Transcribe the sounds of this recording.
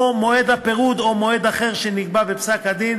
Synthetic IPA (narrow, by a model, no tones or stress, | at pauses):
omo̞e̞d̪apeʁud̪o̞mo̞e̞d̪aχe̞ʁʃeniɡbabepsakad̪in